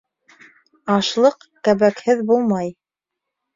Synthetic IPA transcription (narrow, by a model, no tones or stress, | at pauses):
ɑʃlˠɤq | kæβækhɘðbulˠmɑj